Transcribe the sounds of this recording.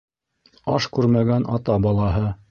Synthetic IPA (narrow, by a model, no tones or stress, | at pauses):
ɑʃkʉɾmæɡænʔɑ̰t̪ɑbɑlˠɑɦɤ